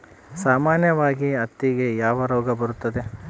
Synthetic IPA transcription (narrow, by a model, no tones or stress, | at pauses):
saːmaːnjɐʋaːɡiɐt̪ːiɡe̞jaːʋɐɾɔːɡɐbɐɾut̪ːɐd̪e̞